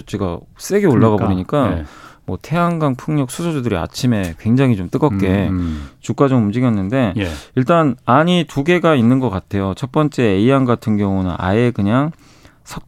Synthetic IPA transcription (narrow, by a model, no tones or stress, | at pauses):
t͡ɕ͈ʰiɡa̰s͈e̞ɡioɭːaɣaboɾiɲik͈amwʌtʰe̞ɦaŋɡaŋpʰɯŋɲʌk̚s͈ʰusʰod͡ʑudɯɾia̰t͡ɕʰime̞kwe̞ŋd͡ʑaŋɦit͡ɕomt͈ɯɡʌk͈e̞t͡ɕuk͈ad͡ʑomumd͡ʑiɡjʌnːɯnde̞iɭt͈anaɲituɡe̞ɡainːɯnɡʌk͈atʰe̞jot͡ɕʰʌt̚p͈ʌnt͡ɕ͈e̞ːiaŋɡatʰɯnɡjʌŋunɯ̰na̰ekɯɲaŋ | sʰʌk̚